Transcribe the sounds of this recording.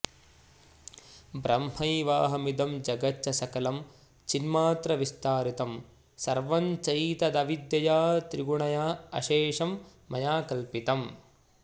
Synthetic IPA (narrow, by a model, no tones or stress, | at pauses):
bɾɐmɦɐjʋaːɦɐmid̪ɐmd͡ʒɐɡɐtːt͡ʃːɐsɐkɐlɐm | t͡ʃinmaːt̪ɾɐʋist̪aːɾit̪ɐm | sɐɾʋɐnt͡ʃɐjt̪ɐd̪ɐʋid̪jɐjaːt̪ɾiɡuɳɐjaːɐ̰ʃeːʂɐmː | ɐjaːkɐlpit̪ɐm